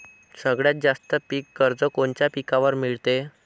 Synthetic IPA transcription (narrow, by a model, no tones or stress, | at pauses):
səɡɭjat̪̚d͡zast̪əpikːəɾd͡zəkont͡ɕjapikaʋəɾmiɭt̪e